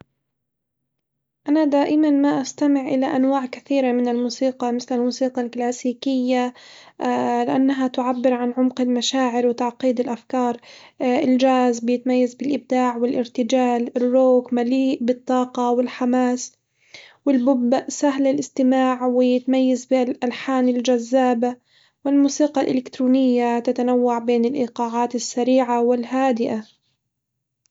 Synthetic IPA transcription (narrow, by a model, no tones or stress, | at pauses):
ʔanad̪aːʔɪmanmaʔast̪amɪʕʔɪlaʔanwaːʕkaθiːɾamɪnɪlmuːsiːqɑmɪθlɪlmuːsiːqɑlklaːsiːkɪjːa | lɪʔanːaɦat̪ʊʕabːɪɾʕanʕʊmqɪlmaʃaːʕɪɾwɪt̪aʕqiːd̪ɪlʔafkɑːɾˤɪld͡ʒaːzbɪjɪt̪majːazbɪlʔɪb̚d̪aːʕwɪlʔɪɾt̪ɪd͡ʒaːlɪrːoːkmaliːʔbɪt̪ˤːɑːqɑwɪlħamaːs | wɪlbʊbsaɦlɪlʔɪst̪ɪmaːʕwɪjɪt̪majːazbɪlʔalħaːnɪld͡ʒazːaːba | wɪlmuːsiːqɑlʔɪ̰lɪkt̪ɾuːnɪjːat̪at̪anawːaʕbeːnɪlʔiːqɑːʕaːt̪ɪsːaɾiːʕawɪlɦaːd̪ɪʔa